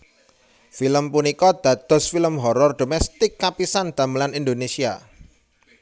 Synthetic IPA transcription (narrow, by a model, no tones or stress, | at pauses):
filəmpunikɔd̪̥ä̤d̪̥ɔ̤sfiləmɦɔɾɔrd̪̥o̤mɛst̪ɪkːapisand̪̥ä̤məlanind̪onesia̰